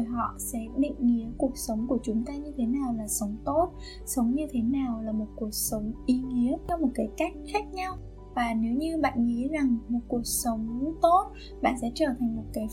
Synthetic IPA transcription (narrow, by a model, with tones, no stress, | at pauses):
jɦɔ̰˧˨sɛ̰˧˥ɗḭ̈˧˨ŋ̟ŋi˧˦əku˨˩ək̚sə˨˦wŋ͡mku˧˩ət͡ɕʊ˨˦ŋ͡mt̪aː˧ɲɨ˧t̪ʰe˨˦naː˨˩wlaː˨˩sə˨˦wŋ͡mt̪o˦˥t̚ | sə˨˦wŋ͡mɲɨ˧t̪ʰe˨˦naː˨˩wlaː˨˩mo˨˩t̚ku˨˩ək̚sə˨˦wŋ͡mʔi˨˦ŋi˧˦ət͡ɕɔ˧mo˨˩t̚kaː˨˦jka˦˥jk̟̚xaː˦˥k̚ɲa˧w | vaː˨˩ne˨˦wɲɨ˧ɓa̰ː˧˨nŋi˨˦za˨˩ŋmo˨˩t̚ku˨˩ək̚sə˨˦wŋ͡mt̪o˦˥t̚ | ɓa̰ː˧˨nsɛ̰˧˥t͡ɕəː˧˩t̪ʰa˨˩ŋ̟mo˨˩t̚kaː˨˦